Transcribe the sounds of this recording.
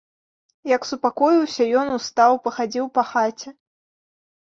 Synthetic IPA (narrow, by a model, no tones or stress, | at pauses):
jɐksupakɔjiwsʲɐjɔnust̪awpɐxad͡zʲiwpɐxat͡sʲɛ